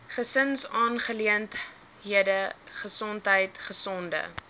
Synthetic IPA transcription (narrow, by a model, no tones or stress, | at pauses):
χəsənsɑːnχəliənt | ɦiədəχəsɔntɦəjtχəsɔndə̰